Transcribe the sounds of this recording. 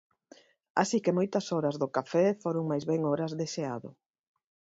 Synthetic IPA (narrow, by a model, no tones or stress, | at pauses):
a̰sikemojt̪ɐsoɾɐzðʊkafɛfoɾʊŋmajzβɛŋoɾɐzðeʃeaðʊ̰